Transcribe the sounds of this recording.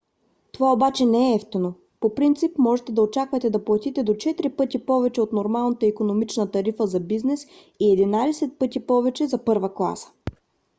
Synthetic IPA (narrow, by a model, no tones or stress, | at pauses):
t̪ovaobat͡ʃɛnɛɛɛft̪ino | popɾint̪sipmɔʒɛt̪ɛd̪ɐot͡ʃakvɐt̪ɛd̪ɐplˠɐt̪it̪ɛd̪ot͡ʃɛt̪ɾipɤt̪ipɔvɛt͡ʃɛot̪noɾmalˠnət̪əikonomit͡ʃnət̪ɐɾifəzɐbiznɛs | iɛd̪inad̪ɛsɛt̪̚pɤt̪ipɔvɛt͡ʃɛzɐpɤɾvəklˠa̰sə̥